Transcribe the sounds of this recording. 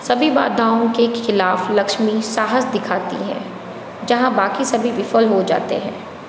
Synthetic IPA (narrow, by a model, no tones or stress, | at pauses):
sɐbʱiba̰ːd̪ʱaːõkexɪlaːflɐkʃmisaːɦəsd̪ɪkʰaːt̪ḭɦɛ̰̃ː | d͡ʒɐɦãbaːkisɐbʱiʋɪfəlɦod͡ʒa̰ːt̪ḛɦɛ̰̃ː